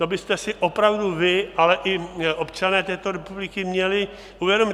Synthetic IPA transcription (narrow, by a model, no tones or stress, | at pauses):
t̪o̞bɪst̪ɛsɪʔo̞pɾavduvɪalɛʔɪʔo̞pt͡ʃanɛːt̪ɛːt̪o̞ɾɛpublɪkɪmɲɛlɪ | uvjɛdomɪ